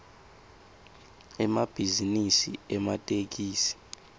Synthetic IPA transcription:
ɛmab̥ʱizinisiɛmatʼek̬iːsi̥

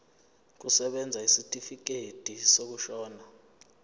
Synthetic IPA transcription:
k̬usɛɓɛnd͡zʱaisitʼifik̬etʼisok̬uʃɔːna

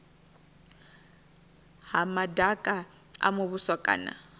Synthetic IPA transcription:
ɦamadʱakʼa | a̰mʊβʊsɔkʼa̰ːna̰

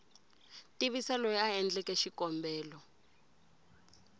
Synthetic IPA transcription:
tiβisalɔjɛaɛnd͡ɮɛkɛʃikɔmbɛːlɔ

